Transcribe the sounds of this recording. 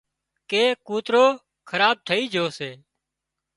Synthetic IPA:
keːkuːt̪ɾoː | kʰəɾaːb̚t̪ʰəiːd͡ʒʱoːseː

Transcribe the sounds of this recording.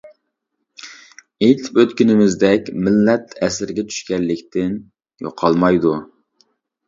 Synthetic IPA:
ejt̪ʰɪ̥pøt̪kʲynɪmɪzd̪ɛkʲmɪlːɛt̪ʰɛsɪɾɡʲɛt͡ʃʰy̥ʃkʲɛlːɪkʲt̪ʰɪn | jo̰qʰɑlˠmɑjd̪u

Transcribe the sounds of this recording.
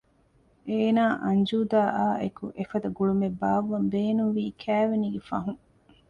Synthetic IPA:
eːnaːʔɐɲd͡ʒuːd̪aːʔaːʔekuʔefɐd̪ɐɡuɭumebaːʋːɐmbeːnunʋiːkʰæːʋeniːɡefɐ̰ɦũŋ

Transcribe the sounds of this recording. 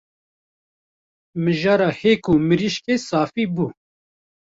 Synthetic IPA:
mɨʒɑːɾɑːheːkumɨɾiʃkeːsaːfibuː

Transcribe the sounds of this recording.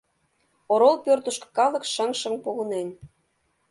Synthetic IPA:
oɾolˠpørt̪ə̆ʃkɤ̥̆kɑlɤ̆kʃə̆ŋʃə̆ŋpoɣɤ̆nen

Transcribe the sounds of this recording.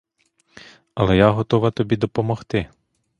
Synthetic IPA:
ɐlˠɛjaɦɔt̪ɔʋɐt̪ɔbʲid̪ɔpɔmɔxt̪ɪ

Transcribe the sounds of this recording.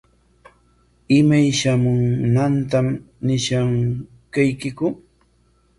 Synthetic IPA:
ɪmajʃamʊŋnant̪amnɪʃaŋ | kajkɪkʊ

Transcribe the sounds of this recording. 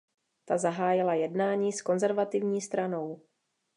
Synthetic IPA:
t̪azaɦaːjɪlajɛdnaːɲiːsko̞nzɛɾvat̪ɪvɲiːst̪ɾano̞w

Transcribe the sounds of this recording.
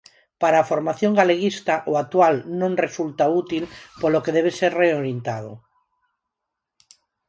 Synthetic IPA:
paɾaːfoɾmaθjoŋɡaleɣist̪aʔoat̪walnõŋresult̪aut̪ilpolokeðeβ̞eseɾreoɾjent̪aðo̰

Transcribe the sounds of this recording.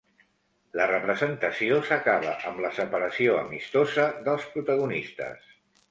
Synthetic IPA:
lərəpɾəzənt̪əsiosəkaβəʔəmləsəpəɾəsioə̰mist̪ozəðəlˠspɾut̪əɣ̞unist̪ə̰s

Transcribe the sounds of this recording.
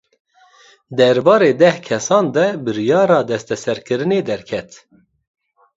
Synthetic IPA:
d̪ɛɾbɑːɾeːd̪ɛhkʰɛsɑːnd̪ɛbɨɾjɑːɾɑːd̪ɛst̪ɛsɛɾkɨɾɨneːd̪ɛɾkʰɛt̪

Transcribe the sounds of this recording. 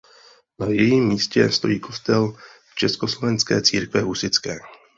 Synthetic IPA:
najɛjiːmːiːscɛst̪o̞̰jiːkʰo̞st̪ɛlft͡ʃɛskoslo̞vɛnt͡skɛ̰ːt͡siːɾkvɛɦusɪt͡skɛː

